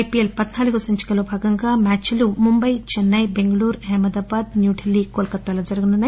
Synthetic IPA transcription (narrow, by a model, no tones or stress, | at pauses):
jpielpɐd̪naːlɐkusɐnt͡ʃi̥kɐlobʱaːɡɐŋɡamaːt͡ʃilumumbɐjt͡ʃenːɐjbeŋɡɐluːɾɛɦmɐd̪aːbaːd̪njuːɖʰʱelːikoːlkɐt̪ːɐlɐd͡ʒɐɾɡɐnunɐ